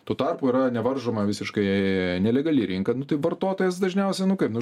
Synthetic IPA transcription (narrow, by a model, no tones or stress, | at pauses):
t̪uːt̪ɑrpuːiɾɐnʲɛʋɐrʒoːmɐʋʲɪsʲɪʃkɐɪnʲɛlʲɛɡɐlʲɪɾʲɪŋkɐnʊt̪ɐɪʋɐrt̪oːt̪oːjɛsd̪ɐʒʲnʲɛʊsʲɛnʊkɐɪpnʊ